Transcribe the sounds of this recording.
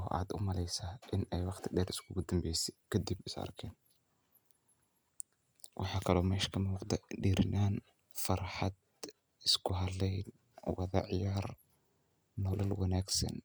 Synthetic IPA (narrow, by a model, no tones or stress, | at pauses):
ɔːʔa̰ːd̪ʊ̰mɐlɛjsɐːʔɪnɛjwɑχt̪ʰɪɖɛːɾɪskʰʊɡʊd̪ɐmbɛjsɛ̥kʰɐd̪ibɪsɐ̰rkʰɛːn | wʔɑħɑːkʰɐlɔːmɛːʃkʰɐmuːqd̪ɐɖiːɾɪnaːn | fɑrħɑd̪ | ɪskʰʊɦɐlɛjn | wɑðɐ̰ʕjaːr | nɔːlɐlwɑnaːɡsɐ̰n